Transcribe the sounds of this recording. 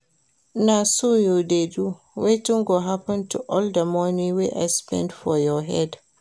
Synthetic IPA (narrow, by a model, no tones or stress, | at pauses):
nasojudedu | wejtĩŋɡɔɦapɔ̃ntuʔɔldamɔnĩweʔa̰jspɛ̰̃ndfɔjɔɦɛd